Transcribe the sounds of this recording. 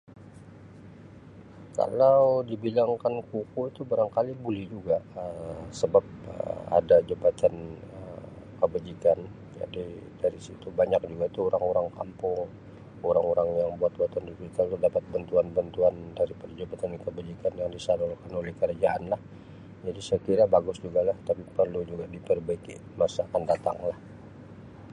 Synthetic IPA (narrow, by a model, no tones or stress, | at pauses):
ka̰lawdibilaŋkankukuit̪ubaɾaŋkalibulɛhd͡ʒuɡaʔəsəbap̚ə̰a̰dad͡ʒabat̪anə | kəbad͡ʒikan | d͡ʒa̰didaɾisit̪ubaɲak̚d͡ʒuɡait̪uoɾaŋoɾaŋka̰mpʊŋ | oɾaŋoɾaŋjaŋbuat̪̚buat̪andid͡ʒit̪alt̪ədapat̪̚bənt̪uanbant̪uandaɾipərd͡ʒabat̪ankəbad͡ʒikanjaŋdisanɔlkanolɛhkəɾad͡ʒaʔanlah | d͡ʒadisəkiɾabaɡʊsd͡ʒuɡalaht̪apipərlud͡ʒuɡadipərbaɪkḭmasaːkandat̪a̰ŋlah